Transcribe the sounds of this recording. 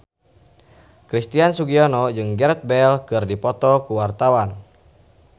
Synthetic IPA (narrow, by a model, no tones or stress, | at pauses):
kɾist̪iansuɡiɔnɔd͡ʒɨŋɡɛrɛt̪̚bɛlkɨrdipɔt̪ɔkuwart̪awan